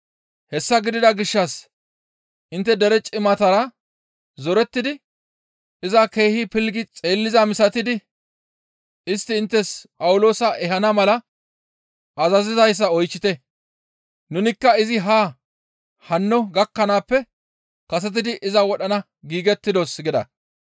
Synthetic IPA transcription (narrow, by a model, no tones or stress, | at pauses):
hɛsːɐɡɪd̪ɪd̪ɐɡɪʃːɐs | ʔɪnt̪ːɛd̪ɛɾɛt͡ʃʼɪmɐt̪ɐɾɐ | zɔɾɛt̪ːɪd̪ɪ | ɪzɐke̞ːhɪpɪlɡɪt͡sʼeːlːɪzɐmɪsɐt̪ɪd̪ɪ | ɪst̪ːɪːnt̪ːɛspʼɐwʊlo̞ːsɐʔɛɦɐnɐmɐlɐ | ʔɐzɐzɪzɐjs̬ːɐɔjt͡ʃːɪt̪ɛ | nʊnɪkːɐɪzɪɦaː | hɐnːɔɡɐkːɐnaːpːɛ | kɐs̬ɛt̪̬ɪd̪ɪʔɪzɐwɔɗɐnɐ | ɡiːɡɛt̪ːɪd̪osɡɪd̪ɐ̰